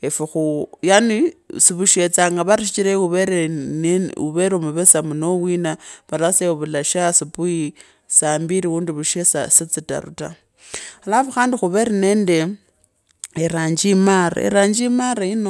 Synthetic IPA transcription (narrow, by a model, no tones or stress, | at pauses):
efuxujanisiβuʃet͡saːŋɡaβaɾiʃit͡ʃiɾeuβeɾenuβeɾomuβesamunowinaβalaseβulaʃasipui | saːmbiɾiwuːndiβuʃesasit͡sita̰ɾṵta̰ | alafuxaːndixuβeɾeneːnde | eɾaːɲd͡ʒimaɾa̰ḛɾaːɲd͡ʒimaɾaino